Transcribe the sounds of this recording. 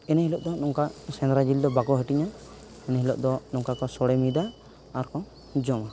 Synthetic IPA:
ɛnɛhilɔʔ̚d̪ɔnɔŋkasɛnɾad͡ʒild̪ɔbaɡɔɦəʈiɲan | ɛnɛɦilɔʔ̚d̪ɔnɔŋkakɔsɔɽɛmid̪aː | ɾkɔ | d͡ʒɔma

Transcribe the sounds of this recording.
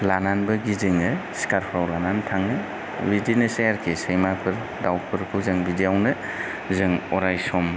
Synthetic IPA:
lananbɐɡizɯŋɯsi̥kaɾpʰɾawlanantʰaŋnɯ | widinɯsejaɾkʰisejmapʰɯɾ | dawpʰɯɾkʰɯzɯŋbidijawnɯ | zɯŋɔɾajsɔm

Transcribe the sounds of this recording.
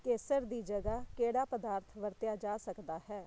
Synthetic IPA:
keːsəɾd̪iːd͡ʒəɡaːkeːɽaːpəd̪aːɾt̪ʰʋəɾt̪jaːd͡ʒaːsəkd̪aːhɛː

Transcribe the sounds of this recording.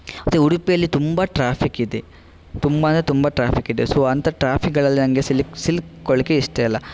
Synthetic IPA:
ɐt̪euɽupijɐlːit̪umbɐʈɾaːpʰikid̪e | t̪umbɐɐnɐt̪umbɐʈɾaːpʰikid̪esoːɐnt̪ɐʈɾaːpʰikɡɐɭɐlːinɐŋɡe̞silsilkɔɭikːeiʂʈeɐlːɐ

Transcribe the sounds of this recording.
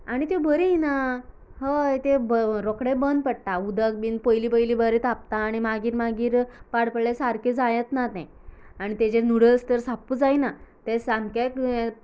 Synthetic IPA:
aɽ̃it̪ebəɾiina | ɦəjt̪ebəɾɔkɽẽbənd̪̚pəɽʈ̪aud̪ək̚biːnpəjlipəjlibəɾet̪ap̚t̪aːɽ̃imaɡiːɾmaɡiːɾpaɽpəɭlesaɾked͡zajət̪nat̪ẽ | aɽ̃it̪ed͡ʑenuɽəst̪əɾsapuːd͡zajnat̪esamkek

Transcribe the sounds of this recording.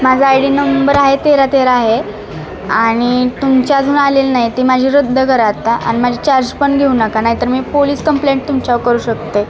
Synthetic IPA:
mad͡zʱəajɽiːnəmbəɾaɦet̪eɾat̪eɾaːɦe | aɽ̃it̪umt͡ɕjad͡zʱuːnalelnaɦit̪imad͡ʑʱiːɾəd̪ʱːəkəɾat̪aʔa̰ñimad͡ʑʱit͡ɕaɾd͡ʑpəɳɡʱeunakanaɦit̪əɾmiːpoliːskəmpleɳʈ̚t̪umt͡ɕawkəɾuːɕək̚t̪e

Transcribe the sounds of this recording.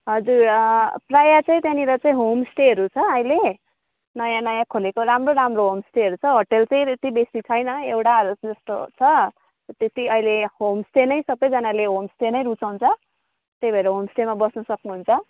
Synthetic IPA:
ɦʌd͡zuɾprajat͡sʌ̃ĩt̪janiɾʌt͡saĩɦomsʈeɦʌɾut͡sʰʌʌjle | nʌjãnʌjãkʰolekoɾamroɾamroɦomsʈeɦʌɾut͡sʰʌɦoʈelt͡sʌĩet̪ibesit͡sʰʌjnʌewʈaʌɾud͡zʌst̪o̰t͡sʰʌ | t̪et̪iʌilehomsʈenʌjsʌbʌjd͡zʌnaleɦomsʈenʌjɾut͡sawnt͡sʰʌ | t̪ejbʱʌeɾʌɦomsʈemabʌsnʌsʌknuɦunt͡sʰʌ

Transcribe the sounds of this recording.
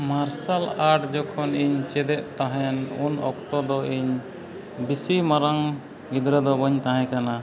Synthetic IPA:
maɾsalaʈd͡ʒɔkʰɔniɲt͡ʃɛd̪ɛʔ̪̚t̪ãɦɛnunɔ̰kt̪ɔd̪ɔʔiɲ | bisimaɾaŋ | ɡid̪ɾəd̪ɔbɔɲt̪ãɦɛ̃kana

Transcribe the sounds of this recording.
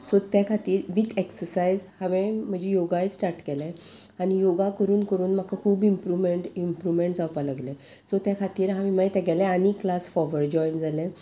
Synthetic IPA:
sɔt̪jakʰat̪iːɾʋit̪ʰeksəɾsajd͡zhaʋẽm̤əd͡ʑejoɡajt͡ssʈaɾʈkɛlɛ̃ | anijoɡakəɾuːnkəɾuːnm̤akʰakʰuːbimpɾumeɳʈimpɾuʋmeɳʈ̚d͡zawpalaɡlẽ | sɔt̪jakʰat̪iːɾɦãmiməjt̪ɛɡɛlɛ̃aniklasfɔɾʋəɾd͡ʑɔjnd͡zalẽ

